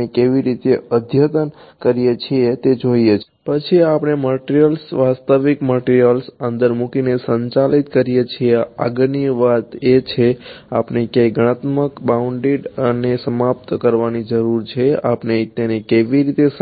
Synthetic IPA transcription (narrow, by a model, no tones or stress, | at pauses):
ekeʋiɾit̪eəd̪ʱjət̪ənkəɾijet͡ʃʰiet̪ed͡ʒoiet͡ʃʰ | pət͡ʃʰiapɽ̃eməʈɾijəlsʋast̪əʋikməʈiɾijəlsənd̪əɾmukinesəɲt͡ʃalit̪kəɾijet͡ʃʰiea̰ɡniəʋat̪et͡ʃʰeapnekeɡəɽ̃ət̪məkbauɳɖiɖənesəmap̚t̪kəɾʋanid͡ʒəɾuɾt͡ʃʰea̰pnet̪enekeʋiɾit̪es